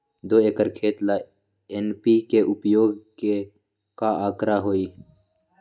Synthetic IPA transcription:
d̪oːeːkəɾkʰeːt̪laː | enpiːkeʔʊpjoːɡke | kaːaːkɾaːɦoːiː

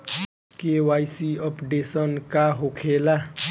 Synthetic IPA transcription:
kewaːisiɔpɖeːsɔnkaɦokʰeːla

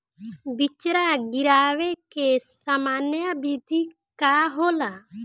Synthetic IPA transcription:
bit͡ʃɾaɡiɾawɛkesamanjabid̪ʱi | kaɦola

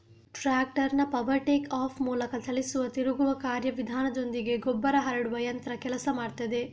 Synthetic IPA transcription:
ʈɾaːk̚ʈɐɾnɐpɐbɐɾʈeːkaːpʰmuːlɐkɐt̪ʰɐlisuʋɐt̪iɾuɡuʋɐkaːɾjɐʋid̪ʱaːnɐd̪ond̪iɡe̞ɡɔbːɐɾɐɦɐɾɐɽuʋɐjɐnt̪ɐɾɐkɛlɐsɐmaːɖt̪ɐd̪e̞

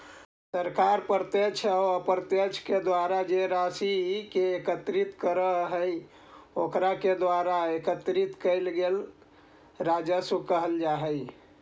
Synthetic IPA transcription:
səɾkaɾpəɾt̪et͡ʃʰɔəpəɾt̪et͡ʃʰked̪waɾad͡ʒeɾasiɦikeːkət̪ɾit̪kəɾəɦɦəj | okɾaked̪waɾaekət̪ɾit̪kəɪlɡel | ɾad͡ʒəsukəɦəld͡ʒaɦəj

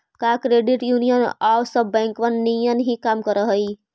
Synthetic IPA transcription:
kakɾeɖiʈjunijənawsəbːɛ̃ŋkʋənːijənɦĩkamkəɾəɦəj

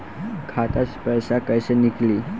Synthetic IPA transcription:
kʰat̪at͡spəjsakəjsenikliː

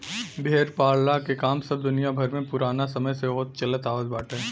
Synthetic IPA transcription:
bʱeːɾpaːɽlakekaːmsɐbd̪ʊnijabʱɐɾmẽpʊɾaːnasɐməjsebɔːt̪̚t͡ʃɐlət̪aːʋəzbaːʈʰɦɛː

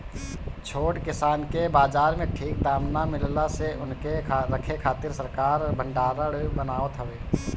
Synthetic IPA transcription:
t͡ʃʰoːʈkɪsaːnkebaːd͡ʒaːɾmẽʈʰiːk̚d̪aːmnamɪllaseʔʊnkeːəkʰekʰaːt̪ɪɾsəɾkaːɾbʱə̃ɳɖaːɾəɽbənaːʋət̪ɦəʋeː

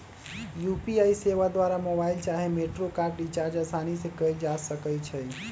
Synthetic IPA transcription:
jupiaiseʋad̪ʋaɾamobailt͡ʃaɦemeʈɾokaɾɖɖit͡ʃaɾd͡ʒasanisekəjld͡ʒasəkət͡ʃʰɛ

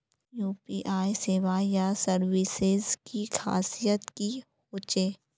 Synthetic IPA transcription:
juːpiːʔaːjseːʋajasəɾʋɪsɪzkixa̰ːsijət̪ki | hoːt͡ʃeː

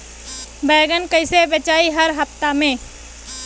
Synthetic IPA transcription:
bɛːɡənkəɪsebjət͡ʃaːiɦəɾɦɐpt̪amẽː

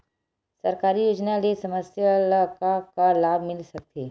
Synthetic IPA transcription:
sɐɾkaːɾijoːd͡ʒnalesɐməsjəlkakalaːbʱmɪlsɐk̚t̪ʰeː

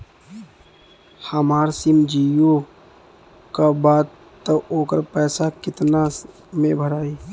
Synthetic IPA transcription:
həmaːɾsimd͡ʒiːjo | kabaːt̪ | t̪əoːkəɾpɛːsakɪt̪na | mẽbʱəɾaːiː

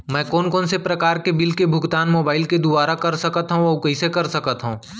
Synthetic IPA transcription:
mɛ̃ːkɔːnkɔːnsepɾɐkaːɾkebɪlkebʱʊɡt̪aːnmoːbaːɪlked̪ʊbaːɾakɐɾsɐkət̪ɦũɔːkɐɦisekɐɾsɐkət̪ɦũː

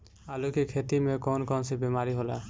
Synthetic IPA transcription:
alukikʰet̪imekɔnkɔnsɛbɛmaɹiɦola

